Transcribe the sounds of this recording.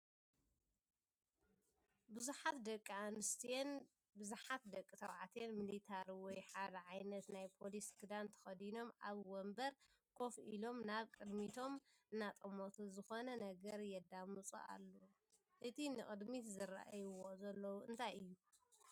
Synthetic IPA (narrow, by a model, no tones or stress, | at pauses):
bɨzuħat̪d̪ɐkʼːianɨst̪en | bɨzuħat̪d̪ɐkʼːit̪ʰɐβʕat̪ʰenmilit̪ʰaɾwɔjħad̪ɐʕajnɐt̪najpʰo̞lisɡɨd̪ant̪ʰɐ̥xɐd̪ino̞mʔaβwɔmbɐɾ | kʰo̞fʔilo̞mnaβkʼɨd̪mit̪ʰo̞m | ɨnːat̪ʼɐmot̪ʰuzɨxo̞nɐnɐɡɐɾjɛd̪amɨt͡sʼṵa̰lːo | ʔɨt̪ʰinɨxʼɨd̪mit̪zɨɾa̰ʔjwozɐlːɐwuɨ̰nt̪ʰajɨjːu